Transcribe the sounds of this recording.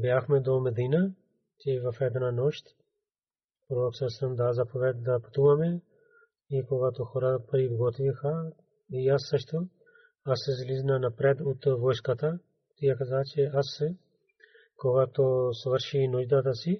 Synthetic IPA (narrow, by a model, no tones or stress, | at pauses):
bjaxmɛd̪omɛd̪ina | t͡ʃɛvɐfɛd̪nanɔʃt̪ | pɾoɾoksəsəmd̪azɐpovɛt̪̚d̪ɐpɐ̥t̪uvɐmɛ | ikoɡat̪oxɔɾapɾibɡɔt̪vixa | iasːəʃt̪o | asːɛzliznanapɾɛd̪ot̪vɔjskat̪a | t̪ijakazat͡ʃɛasɛ | koɡat̪osvəɾʃinɔʒd̪at̪asi